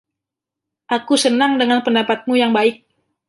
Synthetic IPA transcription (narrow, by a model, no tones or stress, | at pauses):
ʔakusənaŋdəŋanpəndapat̪̚mujaŋbaɪk̚